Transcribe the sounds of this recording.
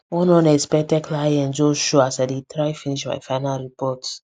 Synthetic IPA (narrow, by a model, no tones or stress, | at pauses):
wɔnɔ̃nɛspɛk̚tɛkʰlajɛ̃nd͡ʒoʃoasaɪdetɾajfiniʃma̰jfaɪnalɾipɔt